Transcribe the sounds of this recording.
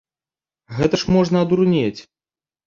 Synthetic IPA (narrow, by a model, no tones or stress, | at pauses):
ɣɛt̪ɐʂmɔʐnɐɐd̪uɾnʲet͡sʲ